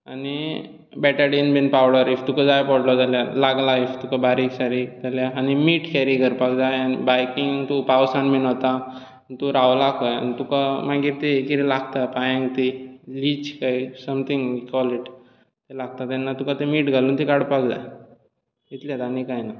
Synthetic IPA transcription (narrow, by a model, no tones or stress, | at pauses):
ani | bɛʈaɖenbinpawɽəɾift̪ukad͡zajpɔɽlɔd͡zaljalaɡlaift̪ukabaɾiksaɾid͡zaljaːnimiːʈkɛɾiɡəɾpakd͡zajanbajkiŋt̪upaʋsanminət̪a | nt̪uɾawlakɔja̰nit̪ukamaɡiɾt̪eːkiɾilaɡt̪apajãŋɡt̪ilit͡ɕkaisəmt̪ʰĩŋɡikwɔliʈ | t̪elaɡ̚t̪at̪anːat̪ukat̪emiːʈɡʱaluːnt̪ikaɽpakd͡za̰j | it̪lat̪anikajna